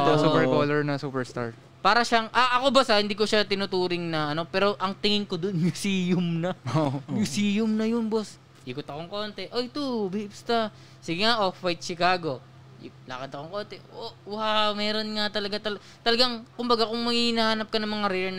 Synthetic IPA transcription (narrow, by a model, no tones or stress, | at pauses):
osuːpɛɾkoːlɛɹnɐsuːpɛɹst̪a̰ɹ | paːɾɐʃaŋʔɐʔɐko̞bɐsahɪnd̪iːk̬oʃat̪ɪnʊt̪uːɾɪŋnɐʔɐno̞pɛːɾo̞ʔɐŋt̪ɪŋɪŋkod̪onmjusiːjʊmnɐmjusijʊmnɐjʊnbos | ʔikot̪ɐko̞ŋko̞ːnt̪ɛʔojt̪obɛʔɪpst̪a | sɪɡɛŋaʔoffajt̪̚t͡ʃɪkaːɡo̞ | lɐkɐd̪ɐkoŋko̞nt̪ɛouːhamɛːɾo̞nŋat̪ɐlɐɡat̪ɐl | t̪ɐlɐɡaŋkʊmbɐɡakʊŋmɐhihnɐhaːnɐp̚kɐnɐŋmɐŋaɾɛdɛn